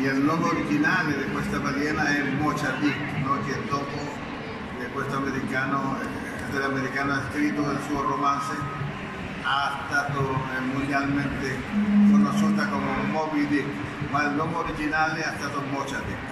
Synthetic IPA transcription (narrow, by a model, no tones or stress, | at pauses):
elnːwɔŋɡoɾid͡ʒinaːled̪ɪkwest̪abaɡjɛːnaɛmɔt͡ʃad̪i | nɔked̪ɔːpo | d̪ekwest̪oameɾikaːno | d̪elameɾikaːnoaskɾit̪oelsuːoromanse | ast̪aːt̪omond̪jalment̪e | konoʃut̪akomeumɔbid̪i | mailnːɔŋɡoɾid͡ʒinaːleast̪aːt̪omɔt͡ʃad̪i